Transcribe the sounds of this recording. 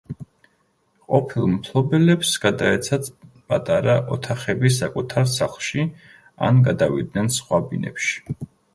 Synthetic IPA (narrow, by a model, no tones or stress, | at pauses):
qʼɔpʰilˠmpʰlˠɔbɛlɛpsɡad̪aɛt̪sʰat̪pʼat̪ʼaɾaʔɔt̪ʰaχɛbis̬akʼut̪ʰaɾsaχlˠʃi | a̰nɡad̪avḭd̪nɛnsχwabinɛ̰pʃi̥